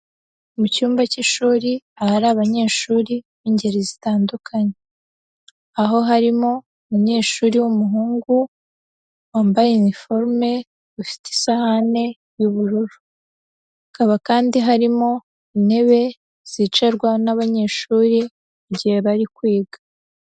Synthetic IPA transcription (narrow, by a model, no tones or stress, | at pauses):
mucuːmbaciʃuːɾiahaɾaːβaɲe̞ːʃuːɾi | βiɲɟeɾezitaːndukʰaɲe | aɦo̞ɦaɾimo̞ | umuɲe̞ːʃuːɾiwumuɦuːŋɡu | waːmbajeunifo̞ɾme̞ | βufi̥ti̥sahane̞ | juβuɾuɾu | akaβakaːndiɦaɾimo̞ | ine̞βe̞ | z̥it͡ʃeɾɡwanaβaɲe̞ːʃuːɾi | uɟihe̞βaɾikwiːɡa